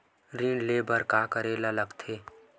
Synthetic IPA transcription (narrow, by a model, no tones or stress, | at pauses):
ɾiɳlebʱəɾkaːkəɾelaləɡt̪ʰeː